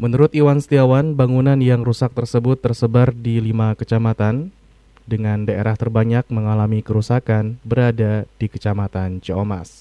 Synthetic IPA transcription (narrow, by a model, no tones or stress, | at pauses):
mənuɾʊt̪iwanst̪iawanbaŋunanjaŋrusak̚t̪ərsəbʊt̪ːərsəbardilimakət͡ʃamat̪an | dəŋandaʔḛɾaht̪ərbaɲak̚məŋalamikəɾusakanbəɾadadikət͡ʃamat̪ant͡ʃəoma̰s